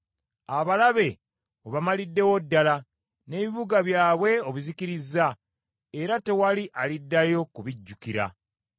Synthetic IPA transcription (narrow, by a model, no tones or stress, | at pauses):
aβalaβe̞ | oβamalidːe̞wo̞dːala | ne̞ːβiβuɡaβjaːβwe̞o̞βuzikiɾizːa | e̞ɾate̞waliʔalidːajo̞kuβiɟːukiɾa̰